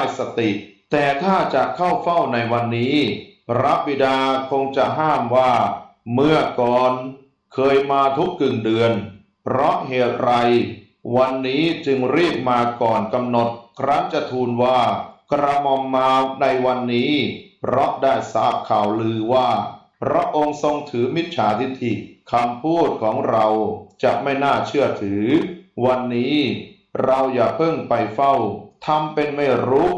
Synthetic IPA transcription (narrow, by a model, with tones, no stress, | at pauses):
a˥˩jsa˧t̪i˨˩ʔt̪ɛː˨˩t̪ʰaː˥˩t͡ɕa˨˩ʔkʰa˥˩wfa˥˩wna˧jwa˧nːiː˦˥ɾa˦˥p̚bi˨˩daː˧kʰo˧ŋt͡ɕa˨˩ʔɦaː˥˩mwaː˥˩mɯ˥˩əkɔː˨˩n | kʰɤː˧jmaː˧t̪ʰu˦˥kːɯ˨˩ŋdɯ˧ən | pɾɔ˦˥ʔɦeː˨˩t̪̚ɾa˧j | wa˧nːiː˦˥t͡ɕɯ˧ŋɾiː˥˩p̚maː˧kɔː˨˩nka˧mno˨˩t̪̚kʰɾa˦˥ŋt͡ɕa˨˩t̪ʰuː˧nwaː˥˩kɾa˧mɔ˧mːaː˧na˧jwa˧nːiː˦˥pɾɔ˦˥daː˥˩jsaː˦˩p̚kʰːaː˨˩wlɯː˧waː˥˩ | pʰɾa˦˥ʔo˧ŋso˧ŋt̪ʰɯː˩˦mi˦˥t̪̚t͡ɕʰaː˩˦t̪ʰi˧t̪ʰi˨˩kʰa˧mpʰuː˥˩t̪̚kʰɔː˩˦ŋɾa˧wt͡ɕa˨˩ʔ̚ma˥˩jnaː˥˩t͡ɕʰɯ˥˩ɐt̪ʰɯː˩˦wa˧nːiː˦˥ | ɾa˧wjaː˨˩k̚pʰɤ˥˩ŋpa˧jfa˥˩wt̪ʰa˧mpe˧nma˥˩jɾuː˦˥